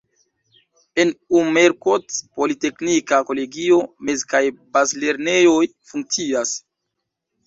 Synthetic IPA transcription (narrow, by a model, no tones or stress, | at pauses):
e̞numeɾkotpolite̞knikako̞le̞ɡio̞me̞zkajbazle̞ɾne̞o̞jfuŋk̚t͡sias